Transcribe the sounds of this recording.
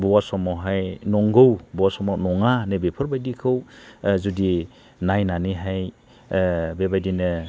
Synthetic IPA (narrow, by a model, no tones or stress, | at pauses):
bɔwasɔmɔɦajnɔŋɡɯwbɔwasɔmɔnɔŋanɯbepʰɯɾbajdikʰɯwzudi | najnaniɦaj | bebajdinɯ